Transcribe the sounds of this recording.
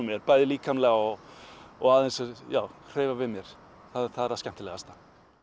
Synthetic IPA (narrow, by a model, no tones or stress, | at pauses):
mjɛɾpaːjðɪliːkamlɛɣaɔɣɔɣaðɛnsɛjaːwkʰr̥eːvavɪðmjɛɾ̥ | θaðθaðɛɾascɛm̥t̪ɪlɛɣast̪ḁ